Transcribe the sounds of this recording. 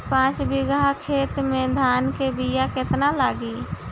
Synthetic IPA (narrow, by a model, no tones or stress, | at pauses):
pãːt͡ʃbɪɡakʰeːt̪mẽd̪ʱaːnkebijakɪt̪nalaːɡiː